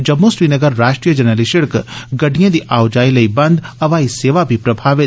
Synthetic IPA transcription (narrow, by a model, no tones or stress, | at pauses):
d͡ʒɐmːosɾiːnɐɡəɾɾaːʃʈɾijəd͡ʒɐnəliʃɪɽkɡɐɖʱijẽd̪iʔaːwd͡ʒaːilɐibɐ̃nd̪ɐʋaːiseːʋabʱipɾɐbʱaːʋɪ